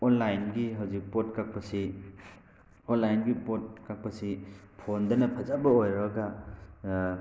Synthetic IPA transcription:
ɔnlajnɡiɦawzik̚pot̚kak̚pɐsi | onlajnɡipot̚kak̚pɐsi | pʰondɐnɐpʰɐzabɐojɾɔɡa

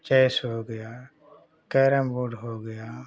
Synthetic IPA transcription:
t͡ʃɛːsɦoɡəjaː | kɛːɾəmboːɖɦoɡəjaː

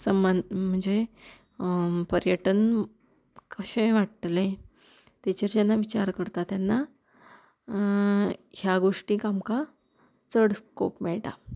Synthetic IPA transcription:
səmanm̤əɳd͡ze | pəɾjəʈən | kəɕə̃ʋaʈ̪lẽ | t̪et͡ɕəɾt͡ɕjanːaʋit͡ɕaɾkəɾt̪at̪janːa | hjaɡoʂʈĩkamka | t͡səɽsko̰pmɛɭʈa̰

